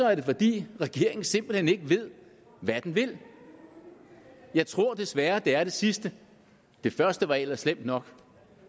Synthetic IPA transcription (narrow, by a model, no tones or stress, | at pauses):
sɒ̽æɐɾ̥e̝fɒ̽d̥ḭːʁɛɡ̥e̝̰ɐe̝ŋn̩se̝m̰b̥l̩hene̝ɡ̥əʋe̝ð̰ˠ | ʋæd̥nʋe̝l̰ | jɑ̈ɪt͡sʰʁo̝ɐ̰d̥e̝sʋæɐd̥e̝æɐɾ̥e̝sisd̥ə | d̥e̝fɶɐsd̥əʋɑ̈elɐslem̰d̥nɒ̽ɡ̥